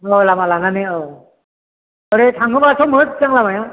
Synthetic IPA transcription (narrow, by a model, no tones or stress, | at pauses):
olamalananeo | əɾetʰãŋɡɯbasʰomət̪̚t͡saŋlamaja